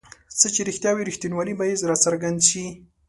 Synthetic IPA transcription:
t͡sət͡ʃeɾixt̪jɑwiɾixt̪inwɑlibaizɾɑt͡saɾɡand̪ʃi

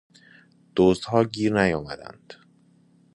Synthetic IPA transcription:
d̪̥oːzd̪hɒːɟiːɾnæjɒːmæd̪æ̰nd̪̥

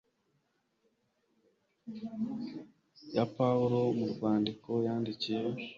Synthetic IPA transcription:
japauɾomuɾvaːndiko̞jaːndicije̞

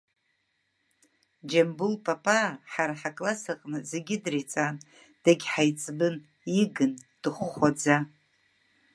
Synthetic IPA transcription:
d͡ʒambulpʼapʼaħaɾaħakʼlasaqʼnɨzeɡʲɪdrit͡sʼan | d̥aɡʲħajt͡sʼbɨn | iɡɨnd̥ɨχʷːad͡za

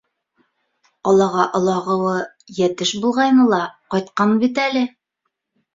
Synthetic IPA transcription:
ɒlˠɑʁɑʔŏlˠɑʁɤ̆wɤ | jæt̪ɘʃbulˠʁɑjnɤlˠɑqɒjt̪qɑnbit̪̬ælɘ

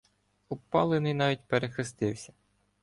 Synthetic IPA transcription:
upɑlˠenɪjnɑʋʲit̚ʲpeɾexɪst̪ɪwsʲɐ

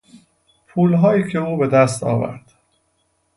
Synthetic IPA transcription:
pʰuːlɦɒːjiːcʰeuːbe̞d̪æst̪ɒ̰ːvæ̰ɾd̪̥

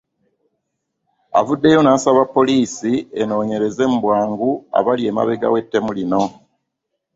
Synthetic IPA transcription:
a̰vudːe̞jo̞naːsaβapːo̞liːsie̞no̞ːɲe̞ɾe̞ze̞mubwaːŋɡua̰βalie̞ma̰βe̞ɡa̰we̞tːe̞mulino̞

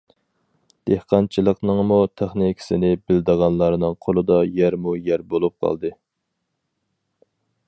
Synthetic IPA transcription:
d̪̥ehqɑnt͡ʃʰilˠəqnɨŋmut̪ʰæχnikʲʰsɪnɪbɪld̪əʁɑnlˠɑɾnɨŋqʰolˠɨd̪ɑjæɾmujæɾbolˠup̚qʰɑ̰lˠd̪ɨ

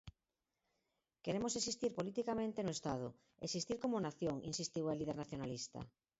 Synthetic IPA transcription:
keɾemosesist̪iɾpolit̪ikamẽnt̪enoest̪að̞ʊ | ḛsist̪iɾkomonaθjoŋḭnsist̪iwaliðeɾnaθjonalist̪a̰

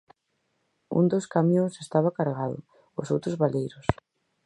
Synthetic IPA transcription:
ṵnd̪oskamjõŋsest̪aβakaɾɣaðʊ̰ | osowt̪ɾʊzβalejɾʊs

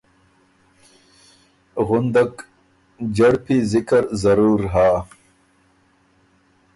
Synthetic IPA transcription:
ɣʊnd̪ɐk | d͡ʑɐɽpʰizikɐɾzɐɾuːɾɦaː

